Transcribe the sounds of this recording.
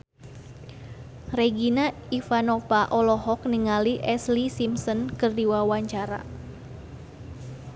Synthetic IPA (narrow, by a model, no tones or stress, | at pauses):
reɡina | ifanɔvaʔɔlɔɦɔk̚niŋaliʔɛslisimsɔnkɨrdiwawaɲt͡ʃaɾa̰